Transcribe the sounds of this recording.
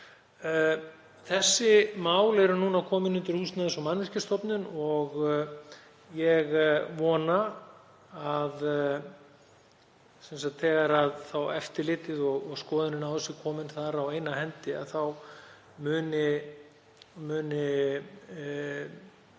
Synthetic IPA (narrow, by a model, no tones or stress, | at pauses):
θɛsːɪmaːwlɛɾʏnuːnakʰɔːmɪnʏnt̪ɪɾ̥hust̪naðɪnsɔmanvɪr̥cast̪ɔpnʏnɔɣ | jɛɣvɔːna | að | sɛns̬at̪θɛːɣaɾaðθawɛft̪ɪlɪːt̪ɪðɔɣɔɣskɔːðɪnɪnawðɛsɪkʰɔːmɪnθaɾawejnahɛnt̪ɪa̰ðθaw | mʏːnɪ | mʏːnɪ